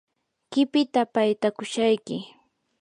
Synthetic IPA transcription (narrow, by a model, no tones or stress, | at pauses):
kɪpɪt̪apajt̪akʊʃajkɪ